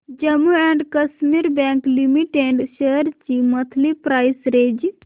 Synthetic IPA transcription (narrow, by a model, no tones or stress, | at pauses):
d͡ʒəmuɛɳɖkəsmiɾbɛ̃ŋklimiʈeɖʃəəɾt͡ʃimət̪ʰlipɾaːjsɾed͡ʒ